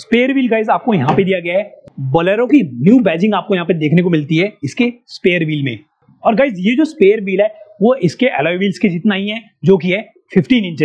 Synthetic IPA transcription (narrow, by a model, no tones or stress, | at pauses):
speːəɾʋiːlɡaːɪzaːp̚kojɐɦãped̪ijaɡɐjaɦɛːbɐləɾõkinjuːbɛːd͡ʒɪ̃ŋɡaːp̚kojɐɦãped̪eːkʰnekomɪlt̪iɦɛɪskespeːəɾʋiːlmḛ̃ | ɔːɾɡaːɪzjed͡ʒoːspeːjəɾʋiːlɦɛːʋoʔɪskeʔɛlaːʋiːlsked͡ʒɪt̪naɦiɦɛ̃ | d͡ʒoːk̬iɦɛ | fʰɪfʈiːnɪ̃ɲt͡ʃə